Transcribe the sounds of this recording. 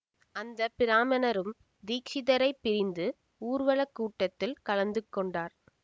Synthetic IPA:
ɐnd̪ɐpɪɾaːmɐnɐɾɯm | d̪iːkʂɪðɐɾɐɪpːɪɾɪnd̪ɯ | uːɾʋɐɭɐkːuːʈːɐt̪ːɪlkɐlɐnd̪ɯkːɔɳɖaːɾ

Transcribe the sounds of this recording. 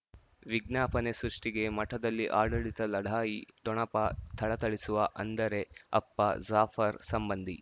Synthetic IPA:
ʋiɡnaːpɐnesɾuʂʈiɡe̞mɐʈʰɐd̪ɐlːiʔaːɖɐɭit̪ɐlɐɽʱaːjit̪ɔɳɐpɐst̪ʰɐɭɐt̪ɐɭisuʋɐʔɐnd̪ɐɾe̞ɐ̰pːɐzaːfʰɐɾsɐmbɐnd̪ʱi

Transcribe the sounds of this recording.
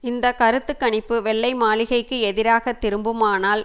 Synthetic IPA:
ɪnd̪ɐkɐɾɯt̪ːɯkːɐɳɪpːɯʋɛɭːɐɪmaːlɪɣɐɪkːɯɛðɪɾaːɣɐt̪ːɪɾɯmbɯmaːnaːl

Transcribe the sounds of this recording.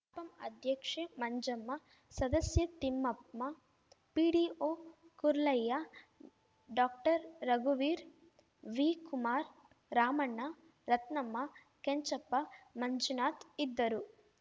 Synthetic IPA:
pɐmɐ̰d̪ʱjɐkʂemɐɲd͡ʒɐmːɐ | sɐd̪ɐsjɐt̪imːɐp̚mɐ | piːɖiːoːkuɾlɐjːa | ɖaːk̚ʈɐɾːɐɡuʋiːɾ | ʋiːkumaːɾ | ɾaːmɐɳːɐ | ɾɐt̪nɐmːɐ | keɲt͡ʃɐpːɐmɐɲd͡ʒunaːt̪id̪ːɐɾu

